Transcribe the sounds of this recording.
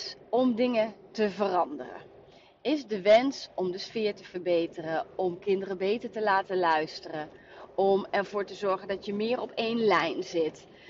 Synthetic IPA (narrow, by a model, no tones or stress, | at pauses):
ɔmdɪŋətəvərɑndə̰rə̰ | ɪzdəʋɛnsɔmdəsfɪːɹtəv̥əɹbejtərəɔmkɪndərəbejtəɹtəlaːtəlœɥstərə | ɔmɛɹv̥ʊːɹtəzɔɹχəndɑtjəmɪːɹɔpʰejnlɛjnzɪt